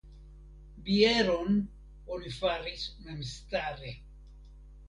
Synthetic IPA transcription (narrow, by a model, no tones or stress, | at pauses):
bieɾon | onifaɾismemst̪aɾe